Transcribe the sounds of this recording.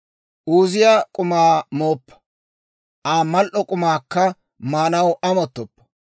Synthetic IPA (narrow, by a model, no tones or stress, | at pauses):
ʔuːzɪjaːkʼʊmaːmoːpːɐ̥ | ʔaːmɐlʔɔkʼʊmaːkːɐ | maːnɐwʔɐmɔt̪ːɔpːɐ̥